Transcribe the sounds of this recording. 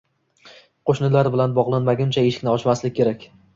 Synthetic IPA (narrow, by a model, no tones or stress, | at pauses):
qʰoʃnɪlaɾbɪlanbɒʁlˠanmaɡʲɪmt͡ʃʰaeʃɪ̥kʲnɪɒt͡ʃmaslɪkʲʰːe̞ɾakʲ